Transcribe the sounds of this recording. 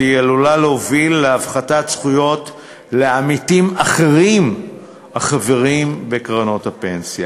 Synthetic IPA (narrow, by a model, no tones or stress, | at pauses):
ijelulaleovilːeavχatatsχujo̞t | le̞amitimaχe̞ʁim | aχave̞ʁimbe̞kʁano̞thape̞nsja